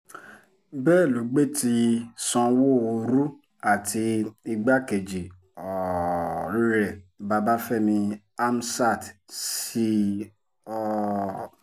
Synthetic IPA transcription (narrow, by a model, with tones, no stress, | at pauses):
bɛː˦˨lu˨˦ɡ͡be˦ti˧sɔ̃˧wo˦˨o˧ɾu˦ | a˦˨tʰi˧i˧ɡ͡ba˦ke˨d͡ʒi˨ | ɔ˨ɾi˦ɾɛ˦˨ba˧ba˦fɛ˦˨mĩ˧ | a˦m˦sa˦˨tsi˦ | ɔ˦˧